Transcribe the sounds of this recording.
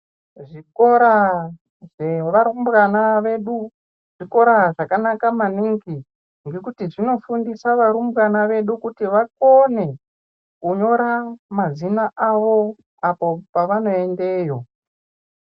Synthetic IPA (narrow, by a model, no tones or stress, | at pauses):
ʐikoɾa | ʐeʋaɾumbranaʋeɗu | ʐ̥iko̞ɾaʐakanakamaniŋɡi | ŋɡe̞kutiʐino̞fundisaʋaɾumbranaʋe̞ɗukutiʋakone̞ | kuɲo̞ɾamazinaʔaʋo̞ | apo̞paʋano̞e̞nde̞ːjo̞